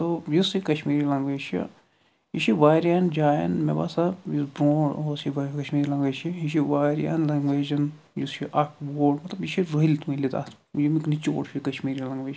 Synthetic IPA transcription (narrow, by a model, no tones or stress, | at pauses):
t̪ojusikɐʃmiːɾilɐŋɡʋeːʃʰḭ | jiʃiʋaːɾjaːnd͡ʒaːjɐ̰nmḛba̰sajisbɾoːɽosiʋɐkɐʃmiːɾilɐŋɡʋeːʃiɦiʃiʋaːɾja̰ːnlɐŋɡʋeːd͡ʒɐn | just͡ʃʰiʔɐk̚boːlmɐt̪lɐbjiʃʰiɾoilʲt̪umilit̪a̰ːt̪ | jimiknit͡ʃo̰ːɽʃʰikɐʃmiːɾilɐŋɡʋeːd͡ʒ